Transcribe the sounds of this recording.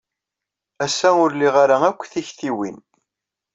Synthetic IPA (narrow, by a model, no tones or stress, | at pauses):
æsːæʊɾliʁaɾaækʷːθiçθiwḭn